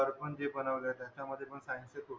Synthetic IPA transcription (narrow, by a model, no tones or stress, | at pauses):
əɾpəɳd͡ʑebənaʋlat̪jat͡ɕaməd̪ʱːjepəɳsãnset̪o